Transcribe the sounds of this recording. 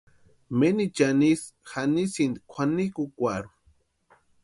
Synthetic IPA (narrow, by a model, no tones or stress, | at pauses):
menit͡ʃanis | xanisind̪kʷʰanikukʷaɾu